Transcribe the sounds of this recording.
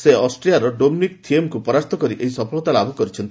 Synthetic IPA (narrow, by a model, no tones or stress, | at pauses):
seɔsʈɾijaɾɔɖomnikt̪ʰiemkupɔɾaɾt̪ʰɔkɔɾiʔeɦisɔpʰɔɭɔt̪alabʱɔkɔɾit͡ʃʰɔnt̪i